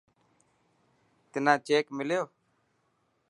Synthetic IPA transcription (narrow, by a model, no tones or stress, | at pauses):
t̪ɪnãːt͡ʃeːkmɪljoː